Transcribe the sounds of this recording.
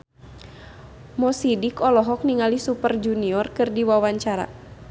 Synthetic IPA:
mɔsidikɔlɔɦɔk̚niŋalisupərd͡ʒuniɔrkɨrdiwawaɲt͡ʃaɾa̰

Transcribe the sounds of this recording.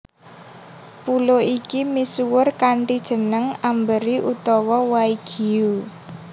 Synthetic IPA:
puloikimisuwʊrkaɳʈid̥ʒ̥ə̤nəŋambəɾiʔut̪ɔwɔwaiɡ̥i̤u

